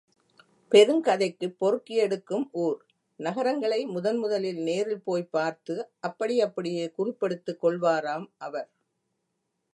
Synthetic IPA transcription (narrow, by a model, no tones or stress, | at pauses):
pɛɾɯmkɐðɐɪkːɯpːɔɾɯkːɪjɛɽɯkːɯmʔuːɾ | nɐɣɐɾɐŋɡɐɭɐɪmʊðɐnmʊðɐlɪlneːɾɪlpoːjpːaːɾt̪ɯʔɐpːɐɽɪɐpːɐɽɪjeːkʊrɪpːɛɽɯt̪ːɯkːɔɭʋaːɾaːmʔɐʋɐɾ